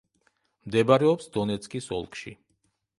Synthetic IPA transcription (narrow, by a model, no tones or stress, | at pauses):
md̪ɛbaɾɛɔpsd̪ɔnɛt̪sʰʼkʼisɔ̰lˠkʰʼʃḭ